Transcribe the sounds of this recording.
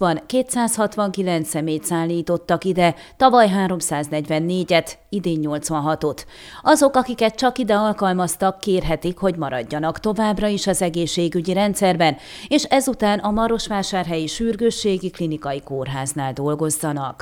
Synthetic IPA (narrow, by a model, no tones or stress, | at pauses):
ɒnkeːt̪saːshɒt̪ʋɒŋkilɛnt̪sɛmeːjt̪saːlːiːt̪o̞t̪ːɒkid̪ɛt̪ɒvɒjɦaːɾo̞msaːznɛɟvɛnːeːɟɛt̪id̪eːɲːo̞lt̪sʋɒnɦɒt̪o̞t̪ | ʔɒzo̞kɒkikɛt̪̚t͡ʃɒkid̪ɛɒlkɒlmɒst̪ɒkːeːrɦɛt̪ikho̞ɟmɒɾɒ̰ɟːɒnɒkt̪o̞vaːbrɒiʃɒzɛɡeːʃːeːɡyɟiɾɛnt̪sɛrbɛn | eːʃɛzut̪aːnɒmɒɾo̞ʃʋaːʃaːrɦɛjiʃyːrɡøːʃːeːɡiklinikɒjikoːrɦaːznaːld̪o̞lɡo̞zːɒnɒk